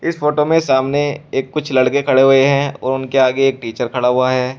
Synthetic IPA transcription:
ɪsfoːʈomẽsaːmneeːkːʊt͡ʃʰlɐɽkekʰɐɽeɦʊeɦɛ̃ɔ̰ːɾʊnkeaːɡeeːk̚ʈiːt͡ʃəɾkʰɐɽaɦʊaɦɛː

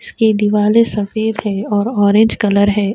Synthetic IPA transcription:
ɪsked̪iʋaːlesɐfeːd̪ɦɛːɔːɾɔːɾẽːɲd͡ʒkɐləɾɦɛː

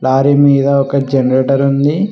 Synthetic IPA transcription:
laːɾimiːd̪ɐɔkɐd͡ʒenɐɾeʈɐɾund̪i

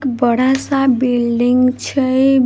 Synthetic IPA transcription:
kbəɽ̤asabilɖiŋɡt͡ʃʰəj

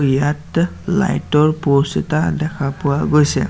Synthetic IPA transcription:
ijat | la̰jtɔɹpɔsita̰dɛkʰapʊwaɡojsɛ̰

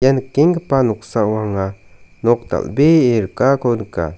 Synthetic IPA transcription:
jankeŋkpanoχsawaŋa | noχ̚t̪a̰lbeeɾkakʰonkːa̰

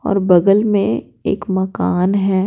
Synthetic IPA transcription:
ɔ̰ːɾbɐɡəlmẽ | ḛːkmɐkaːnɦɛː

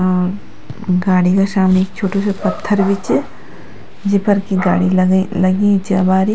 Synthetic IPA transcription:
ɔːɾ | ɡaːɽikaʃaːmneːkt͡ʃʰoːʈosepɐt̪ʰːəɾʋɪt͡ʃ | d͡ʒɪpəɾkiɡa̰ːɽilɐɡlɐɡĩt͡ʃɐbaːɾi

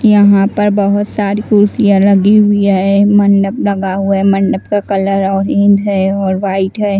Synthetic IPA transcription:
jɐɦãpɐɾbɐɦʊt̪saːɾikʊɾsijãlɐɡiɦʊiɦɛmɐ̃ɳɖəblɐɡaɦʊamɐ̃ɳɖəbkakɐləɾɔːɾẽnd̪ʱɦɛɔːɾʋaːɪʈɦɛː

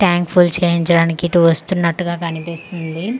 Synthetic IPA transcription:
ʈjaːŋkpʰult͡ʃeːjiɲt͡ʃɐɽaːnikiʈuʋɐst̪unːɐʈːuɡaːkɐnipist̪und̪i

